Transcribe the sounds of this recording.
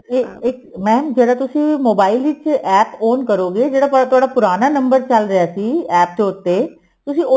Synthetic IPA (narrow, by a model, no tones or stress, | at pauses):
eeːkmɛ̃ːd͡ʒeːɽat̪ʊsĩmoːbaːɪlʋit͡ʃʔɛːpoːnkɐɾoːɡeːd͡ʒeːɽapt̪ʊaːɽapʊɾaːnanɐ̃mbəɾt͡ʃɐlɾɐjaːsiːɛːp̚t̪eʊt̪ːeː | t̪ʊsĩʊ